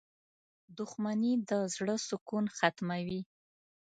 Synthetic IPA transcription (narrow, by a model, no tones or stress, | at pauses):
d̪ʊxmanid̪əzɽəsʊkunxat̪mawi